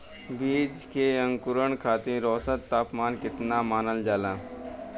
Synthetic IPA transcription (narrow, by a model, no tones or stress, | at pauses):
biːd͡ʒkeə̃ŋkʊɾəɳkʰaːt̪ĩɾɔːsət̪ːaːpmaːnkɪt̪namaːnəld͡ʒaːlãː